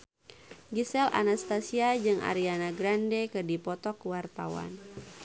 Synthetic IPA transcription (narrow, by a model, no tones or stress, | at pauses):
ɡisɛlʔa̰nast̪asiad͡ʒɨŋʔa̰ɾianaɡɾandɛkɨdipɔt̪ɔkwart̪awa̰n